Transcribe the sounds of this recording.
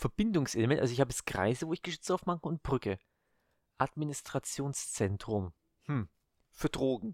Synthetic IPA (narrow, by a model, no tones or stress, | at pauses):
fɛɐb̥ɪndʊŋsʔeləmɛntʔa̰lzoɪçhaːbə̥asɡ̥ʁ̥a̰ɪzəvoːɪçɡ̥əʃʏt͡saʊfmak̩ʊnt̚b̥ʁʏkə | ʔadminɪstʁ̥at͡sjoːnst͡sɛntʁ̥ʊm | hm̩ | fyːɐdʁoːɡŋ̩